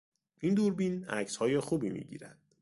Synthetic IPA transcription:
ʔind̪uɾbinæ̰cshɒːjexuːbimḭːɟḭːɾæd̪̥

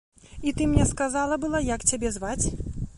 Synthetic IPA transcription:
it̪ɨmnʲɛskazalˠɐbɨlˠajakt͡sʲabʲɛzvat͡sʲ

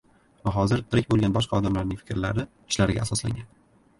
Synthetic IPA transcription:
vaɦɒzɪɾt̪ʰɪɾɪkʲbolˠɡʲanbɒʃqʰɑɒd̪amlaɾnɪŋʲfɪ̥kʲɾlaɾɪ | ɪʃlaɾɪɡʲa̰ːsɒsla̰ŋɡʲan

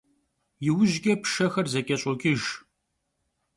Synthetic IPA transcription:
jɪwʊʒɡʲɐpʂɐxɐrzɐkʲʼɐɕʼɔɡʲʼɪʒ

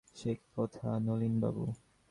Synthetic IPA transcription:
ʃek̚ʰpɔt̪ʰanolinba̰bṵ

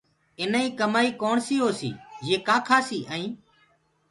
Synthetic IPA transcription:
ɪnaːĩːkəmaːiːkoːɳsiːɦoːsḭːjeːkaːkʰaːsiːʔəĩː

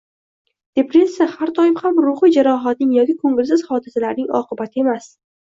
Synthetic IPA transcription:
d̪̥e̞pɾe̞sahaɾd̪ɒɪmhamɾʊχɨd͡ʒaɾɒɦat̪̚nɪŋjɒkʲɪkʰɵŋɡɪls̬ɪz̥hɒd̪ɪsalaɾnɪŋɒ̰qʰɨbat̪ʰɪe̞mas

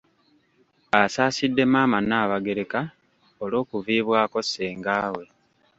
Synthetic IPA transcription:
asaːsidːe̞maːmanaːβaɡe̞ɾe̞ka | olo̞ːkuviːβwaːko̞seːŋɡaːwe̞

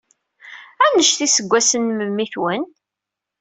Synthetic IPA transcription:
ænəʃθisəɡʷːæsənməmːiθwən

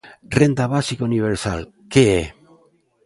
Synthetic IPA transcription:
rend̪aβasikouniβ̞eɾsa̰l | kee

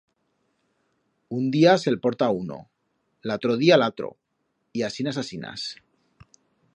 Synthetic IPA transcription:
und̪iase̞lpo̞ɾt̪auno̰ | lat̪ɾoð̞ialat̪ɾo̰ | iasinasasina̰s

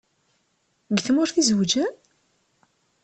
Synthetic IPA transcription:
ɡθmʊɾθizəwd͡ʒæ

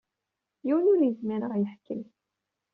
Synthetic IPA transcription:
jiwnʊɾjəzmiɾəʁjəħkəl

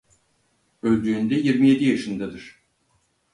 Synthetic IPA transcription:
ølʲd̪yːnd̪ɛjiɾmije̞d̪ijaʃɯnd̪ad̪ɯɾ̥

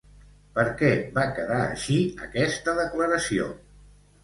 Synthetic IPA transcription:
pəɾkɛβakəðaə̰ʃiəkɛst̪əðəkləɾəsio̰

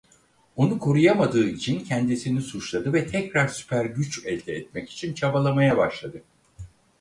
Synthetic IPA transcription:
onukʰo̞ɾujamad̪ɯːd͡ʒʰincʰɛnd̪isinisut͡ʃlˠad̪ɯvɛt̪ʰɛcɾaɾsy̥pʰæɾɟyt͡ʃɛlʲd̪ɛɛt̪̚mɛci̥t͡ʃʰint͡ʃʰabalˠamajabaʃlˠad̪ɯ

